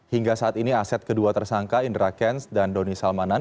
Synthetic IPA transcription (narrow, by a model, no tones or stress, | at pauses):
hiŋɡasaat̪iniasɛt̪̚kəduat̪ərsaŋkaindɾakɛnsdandɔnisalmanan